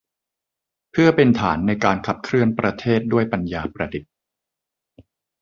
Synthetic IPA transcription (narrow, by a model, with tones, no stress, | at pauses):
pʰɯ˥˩ɐpe˧nt̪ʰaː˩˦nːa˧jkaː˧nkʰa˨˩p̚kʰɾɯ˥˩ənpɾa˧t̪ʰeː˥˩t̪̚du˥˩əjpa˧njaː˧pɾa˧di˨˩t̪̚